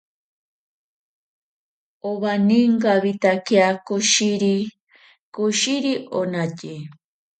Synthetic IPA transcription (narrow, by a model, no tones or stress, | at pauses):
oβaniŋɡaβit̪akeakoʃiɾi | koʃiɾionaci